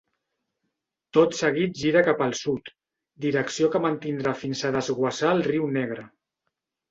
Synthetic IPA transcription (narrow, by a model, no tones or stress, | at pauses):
t̪ot̪səɣ̞it̪̚ʒiɾəkapəlˠsut̪ | d̪iɾəksiokəmənt̪ind̪ɾafinzəðəzɣwəsaəlˠriwnɛɣ̞ɾə